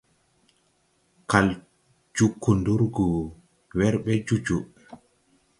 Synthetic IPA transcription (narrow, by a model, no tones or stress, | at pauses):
kal | d͡ʒukʰːunduɾɡɔ | wɛɾɓɛd͡ʒud͡ʒu